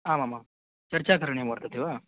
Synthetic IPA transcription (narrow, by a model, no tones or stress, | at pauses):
aːmamam | t͡ʃɐɾt͡ʃaːkɐɾɐɳemoɽt̪at̪ːiʋaː